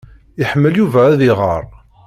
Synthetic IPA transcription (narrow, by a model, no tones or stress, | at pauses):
ɪħəmːəljuvææðɪʁə̰ɾˤ